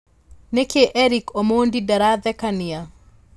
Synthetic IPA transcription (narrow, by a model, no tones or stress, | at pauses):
nekeʔɛɾikomondidaɾad̪ɛkanɪa